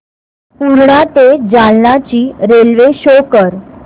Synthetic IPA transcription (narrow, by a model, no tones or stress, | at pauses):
puɾɳat̪ed͡ʑalnat͡ɕiːɾelʋeɕokəɾ